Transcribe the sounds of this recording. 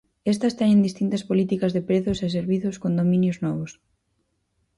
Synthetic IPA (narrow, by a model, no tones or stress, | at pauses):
est̪ɐst̪ɛɲẽnd̪ist̪int̪ɐspolit̪ikɐzðepɾeθʊses̬eɾβiθʊskond̪omĩnjʊznɔβʊs